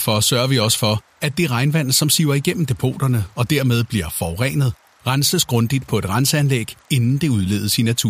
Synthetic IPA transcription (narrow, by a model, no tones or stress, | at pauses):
fɒsɶɐʋiɒ̽sə̥fɒ̽ | æd̥e̝ʁɑ̈ɪnʋæn̰ð̩ˠsɒ̽msiʊ̰ɐiɡ̥en̰m̩d̥e̝pʰo̝̰ːd̥ɐnəɒ̽d̥æɐmeð̞ˠb̥liɐfɒʁɛ̰ːnəð̞ˠ | ʁansəsɡ̥ʁɔ̽nd̥id̥̚pʰɒ̽e̝d̥ʁansəænleɡ̥e̝nn̩d̥e̝uð̞ˠle̝ð̩ˠsinːæt͡sʰṵː